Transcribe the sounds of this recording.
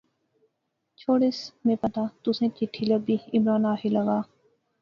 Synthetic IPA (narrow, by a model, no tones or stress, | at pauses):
t͡ʃʰoːɽɪsmẽːpət̪at̪ʊsẽːkɪʈʰːiləbiːɪmɾaːnaːɦiləɡaː